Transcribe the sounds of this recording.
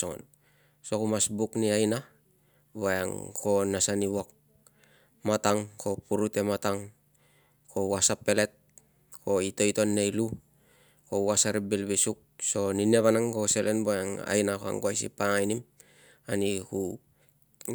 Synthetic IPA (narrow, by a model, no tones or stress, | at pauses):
oŋo̰n | sokumasbukniajna | bojaŋko̞nasaniβok̚ | mataŋko̞puɾute̞mataŋ | ko̞wasapːe̞le̞t̚ | ko̞ito̞jto̞nːejlu | ko̞wasaɾibilbisuk̚so̞nineβanaŋko̞se̞lenbojaŋa̰jnakoa̰ŋɡoajsḭpaŋajnim | aniku